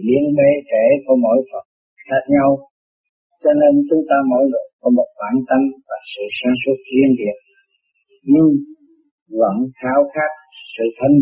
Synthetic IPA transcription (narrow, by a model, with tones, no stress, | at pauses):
ɓi˧ənɓe˧t̪e˧˩ku˧˩˦mo̰˧˥˦jfə˨˩t̚ | xaː˦˥k̚ɲa˧w | t͡ɕɔ˧ne˧nt͡ɕʊ˨˦ŋ͡mt̪aː˧mə˧˦jlɨ˨˩t̚kɔ˨˦mo˨˩t̚ɓaː˧˩˦nt̪ə˧ŋvaː˨˩sɨ̰˧˨saː˨˧˦nswə˦˥t̚lwi˧ənɗḭ˨˩ən̚ | ɲɨ˧ŋ | və̰˧˥nxaː˨˦wxaː˦˥k̚sɨ̰˧˨t̪ʰə˧n